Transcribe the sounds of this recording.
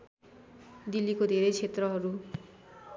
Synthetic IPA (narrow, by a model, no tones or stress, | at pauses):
d̪ilikod̪ʱeɾʌjt͡sʰet̪rʌɦʌɾu